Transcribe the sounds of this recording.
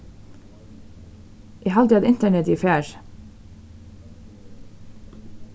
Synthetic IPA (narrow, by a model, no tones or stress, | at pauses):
ʔeːhɑld̪ɑd̪ɪnt̪əɳɛt̪iːfæːɹ